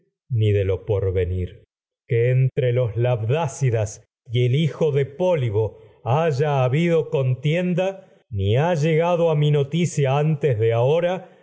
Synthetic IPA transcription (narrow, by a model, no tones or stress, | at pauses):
niðe̞lo̞po̞ɾβe̞niɾ | keːnt̪ɾelo̞slaβðasiðas | ielixo̞ðe̞po̞liɣo̞aʒaːβiðo̞ko̞nt̪je̞nd̪a | niaʒe̞ɣaðo̞amino̞t̪isjaant̪ezðeaoɾa